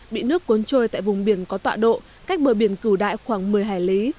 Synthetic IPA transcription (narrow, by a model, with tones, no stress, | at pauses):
ɓḭ˧˨nɨ˦˥əkːu˨˦nt͡ɕo˧jt̪a̰ː˧˨jvʊ˨˩ŋ͡mɓi˧˩ənkɔ˨˦t̪wa̰ː˧˨ɗo̰˧˨ | ka˦˥k̚məː˨˩ɓi˧˩ənkɨ˧˩ɗa̰ː˧˨jxwaː˧˩ŋmɨ˨˩əjɦaː˧˩jli˨˦